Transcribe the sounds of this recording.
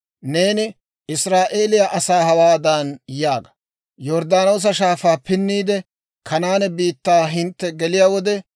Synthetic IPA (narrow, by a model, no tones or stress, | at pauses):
ne̞ːnɪ | ɪsɾaːʔe̞ːlɪjaʔɐsaːhɐwaːd̪aːnjaːɡɐ̥ | jɔɾd̪aːnoːs̬ɐʃaːfaːpɪnːiːd̪ɛ | kʰɐnaːnɛbiːt̪ːaːɦɪnt̪ːɛɡɛlɪjaːwɔd̪ɛ